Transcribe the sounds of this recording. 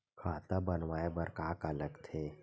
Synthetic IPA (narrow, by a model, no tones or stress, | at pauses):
kʰaːt̪abənʋaːebəɾkaːkələɡt̪ʰeː